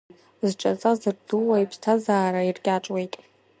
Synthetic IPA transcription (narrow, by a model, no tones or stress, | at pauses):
zʈ͡ʂʼat͡sʼazɨrduwaipʰstʰazaːɾairɡʲʼaʈ͡ʂʼwe̞jtʼ